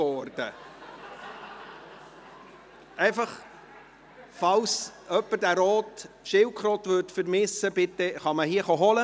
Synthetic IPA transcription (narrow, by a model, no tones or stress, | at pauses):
ɔːrd̥ə | ɛɪfɑχ | fɑwsœpːəɾd̥æːɾɔːt | ʃɪwkχɾoːt̪ʋøtfəɾmɪsəb̥ɪt̪ːəχɑməhiəχɔɦɔlə